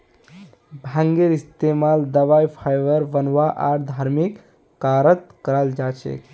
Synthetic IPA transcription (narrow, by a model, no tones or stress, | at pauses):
bʱə̃ŋɡeɾist̪emald̪əʋajpʰajʋəɾʋənʋaʔaɾd̪ʱaːɾmikː | aːɾət̪̚kəɾəld͡ʒaːt͡ʃʰḛ